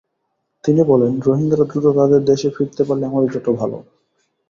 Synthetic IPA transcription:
t̪inibɔlenɾoɦiŋɡaɾad̪ɾut̪ot̪ad̪eɾd̪eʃefiɾt̪epaɾleɛmond͡ʑoʈːobʱalo̰

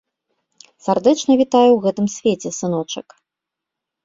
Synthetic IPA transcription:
sʲard̪ɛt͡ʂnɐvʲit̪ajɛwɣɛt̪ɨmsʲvʲet͡sʲɛsɨnɔt͡ʂɨk

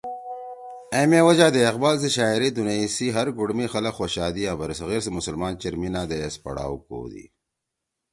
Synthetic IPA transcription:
emewɐd͡ʑaːd̪eɐqbaːls̬eɕaːiɾid̪unaisiɦɐɾɡuɽmixɐlɐkxoɕaːd̪iaːbɐɾisɣeːɾsemʊsɐlmaːnt͡ɕɐɾminaːd̪eespɐ̰ɽa̰ːwko̰ːd̪ḭ

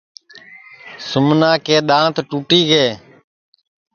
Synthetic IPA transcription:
sʊmnãːkeːɗ̪ãːt̪ʈuːʈiːɡeː

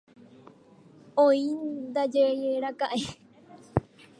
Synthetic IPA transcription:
õĩd̪ad͡ʒejeɾakaʔe

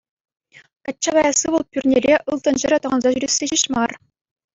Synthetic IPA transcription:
kɑtʲt͡ɕːɑbɑjɑsɯʋɤlˠpʲyrʲnʲerʲeʔɯlˠt̪ɤ̆nʑɘ̆ɾʲɘ̆t̪ɤ̆ʁɑnzɑʑyɾʲesʲːeɕiɕmɑr

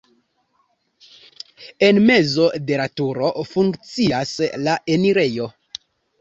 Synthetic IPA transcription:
e̞nme̞zo̞de̞latuɾo̞fuŋkt͡siaslaʔe̞niɾe̞jo̞

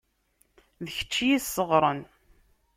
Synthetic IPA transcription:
ðəçə̥t͡ʃːijisːəʁɾˤən

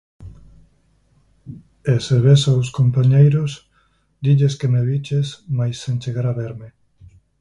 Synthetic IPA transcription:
eseβesawskompaɲejɾos | d̪iʎeskemeβit͡ʃesmajsːẽnt͡ʃeɣaɾaβeɾme

